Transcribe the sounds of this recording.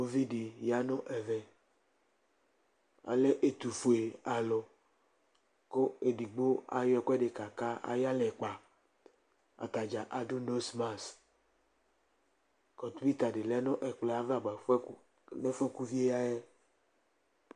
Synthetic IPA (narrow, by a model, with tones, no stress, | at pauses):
o˦vi˦ɖi˨ja˦nɔ̃˦ʔɛ˨vɛ˨ | a̰˨le˦ʔe˨t̪u˨fo˨e˨a˨lɔ˨ | ko˦e˨ɖi˨ɡ͡bo˦a̰˨jɔ˦ɛ˨kɛ˦ɖe˨ka˨ka˦a̰˨ja˦lɛ˨k͡pa˨ | a̰˨t̪a˨d͡ʒa˨ʔa˨ɖo˦no˦sma˦s | kɔ˨t̪u˦i˦t̪a˨ɖe˨lɛ˦nɔ̃˦ʔɛ˨k͡plɛ˨a˨va˨ɡ͡ba˨˦ | nɛ˦fɛ˦ku˦vi˦e˦ja˦jɛ˦